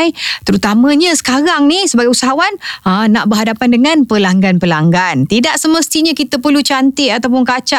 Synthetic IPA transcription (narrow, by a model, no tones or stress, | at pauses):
jt̪əɾut̪amə̃ɲə̃sə̥kaɾaŋnisəbaɡajusaɦawanənaʔbəɦadapandəŋãnpəlaŋɡanpəlaŋɡant̪idaʔsəməst̪iɲãkit̪əpərlut͡ʃant̪ɪʔat̪awpʊnkat͡ʃa